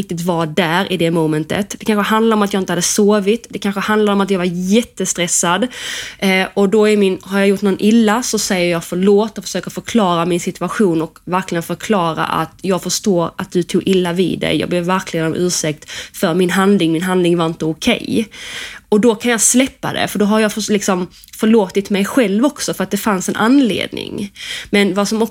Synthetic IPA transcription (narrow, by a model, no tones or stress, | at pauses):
ɪk̚t̪ɪt̪vɑdæːɾʔɪd̪ɛmɔmɛnt̪ə̰t̪d̪ɛkʰanɧəɦand̪laɾɔmat̪jɑːɪnt̪əhad̪ːəsoːvɪt̪d̪ɛkʰanɧəhand̪laɾɔmat̪̬jɑːɡvaɾjɛt̪ːəst̪ɾɛsːad̪ | ɔd̪ɔæɾmɪnhaɾjɑjʊʈːnɔnʔɪlːasɔsɛjːəɾjɑːɡfœɭoːt̪ːɔfə̥ʂøːkəɾfœɾkʰlɑːɾamɪnsɪt̪ʉaɧuːnɔkvæɾklɪɡənfœɾkʰlɑːɾa̰ʔa̰t̪jɑːɡfœʂtoːɾat̪̚d̪ɵt̪ʰuːɡɪlːavḭːd̪ɛ̰jjɑ̰ːɡbleːvːæɾkʰlɪɡənɔmʔʉ̟ːʂɛk̚t̪fœɾmɪnɦand̪lɪŋmɪnɦand̪lɪŋvaɾɪnt̪əʊkʰɛ̰j | ɔd̪ɔkʰanjɑːslɛpːa̰d̪ɛ̰fœɖɔɦaɾjɑflɪksɔm | fœɭoːt̪ɪt̪mɛjɧɛlvɔksɔfœɾat̪̚d̪ɛfansɛnʔanlḛːd̪nɪ̰ŋmɛnvasɔmɔ